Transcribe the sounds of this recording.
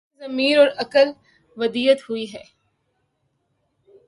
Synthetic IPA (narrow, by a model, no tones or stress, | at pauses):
zɐmiːɾɔːɾɐkəl | ʋɐd̪iːət̪hʊiɦɛː